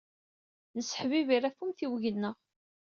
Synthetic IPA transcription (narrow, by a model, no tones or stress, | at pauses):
nəsːə̥ħviviɾæfumθiwʝənːəʁ